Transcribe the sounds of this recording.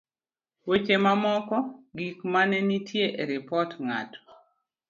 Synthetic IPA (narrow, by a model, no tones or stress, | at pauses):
wet͡ʃemamɔkɔɡikmanɛnitʰjeʔeɾɪpɔtŋa̰t